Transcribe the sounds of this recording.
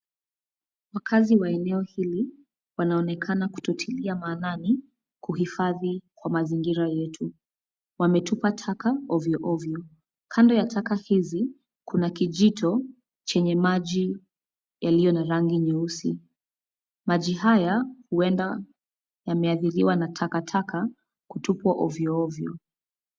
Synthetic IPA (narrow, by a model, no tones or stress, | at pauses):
wakʰaziwaɛnɛɔhili | wanaɔnɛkʰanaku̥tɔtʰiliamaːnani | kuhifaðikwamaziŋɡiɾajɛtʰu | wamɛtupatʰakaɔviɔʔɔviɔ | kʰandɔjatʰakahizi | kʰunakiʄitʰɔ | t͡ʃɛɲɛmaʄi | jalijɔnaɾaŋɡiɲɛusḭ | maʄiɦajahuɛnda | jamɛaθiɾiwanatʰakatʰakʰa | kutupwaʔɔviɔɔvjɔ